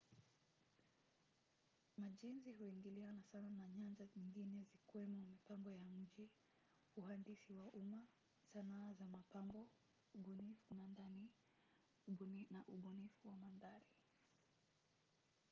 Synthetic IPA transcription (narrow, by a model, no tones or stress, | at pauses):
maʄinzihuiŋɡilianasananaɲand͡ʒaɲiŋɡinɛzikuwɛmumipambɔjam̩ʄi | uhandisiwaʔuma | sanaːzamapambɔ | uɓɔnifumandani | naʔuɓɔnifuwamandaɾi